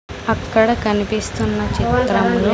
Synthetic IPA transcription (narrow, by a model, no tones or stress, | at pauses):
ɐkːɐɽɐkɐnipist̪unːɐt͡ʃit̪ɾɐmnu